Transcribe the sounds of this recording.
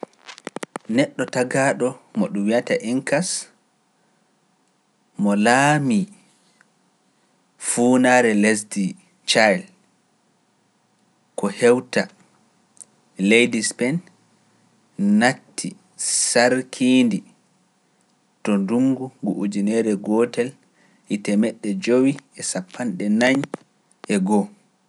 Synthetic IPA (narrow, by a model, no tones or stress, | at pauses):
nɛɗːɔtaɡaːɗɔmɔɗumwiata̰ʔiŋkas | mɔlaːmi | fuːnaɾɛlesdi | t͡ʃajl | kɔhɛwta | lejdispɛn | atːḭ | saɾkʰindi | tɔnduŋɡuɡuʔud͡ʒinɛɾɛɡɔtɛl | ʔitɛmɛɗːɛd͡ʒowiɛsapʰːanɗɛnaɲ | ʔɛɡɔ